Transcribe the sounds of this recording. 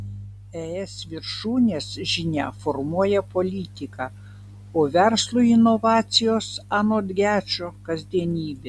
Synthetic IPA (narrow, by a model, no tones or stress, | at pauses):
ɛɛsʋʲɪɾʃuːnʲeːsʒʲɪnʲæ̰fɔɾmuɔjɛpolʲiːt̪ʲɪkɑ | oːʋʲɛɾslˠuːɪnoʋɑːt̪sʲɪjoːsɑːnoːd̪ʲɡʲæːt͡ʃʲoːkɐzʲd̪ʲiɛnʲiːbʲeː